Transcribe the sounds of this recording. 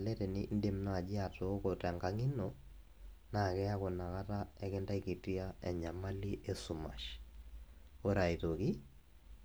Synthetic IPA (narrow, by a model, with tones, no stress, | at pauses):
lɛ˦tɛ˨ni˦ʔn̩˦de˨mna˦a˨d͡ʒi˦a˨to˨˦kɔta˨ŋɡa˦ŋi˦nɔ | na˨kɛ˦a˦kɔ˨na˨ka˦ta˦ɛkɛ˦nda˦iki˨ti˦a˦ɛ˨ɲa˨ma˦li˦ʔe˨su˨ma̰˨ʃ | o˦ɾa˨i˨to˨ki˦